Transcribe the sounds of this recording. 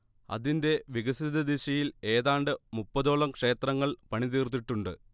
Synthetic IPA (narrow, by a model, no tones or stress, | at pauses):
ɐ̰ðinde̞ʋiɣɐsid̪ɐd̪iɕɐjile̞ːðaːɳɖɨmupːɐðoːɭɐmkʂe̞ːt̪rɐŋːɐɭpɐɳit̪iːrt̪̬ːiʈːuɳɖɨ